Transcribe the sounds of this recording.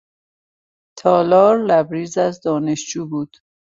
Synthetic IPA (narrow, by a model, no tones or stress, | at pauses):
t̪ʰɒːlɒːɾlæbɾiːzæzd̪ɒːneʃd͡ʒuːbuːd̪̥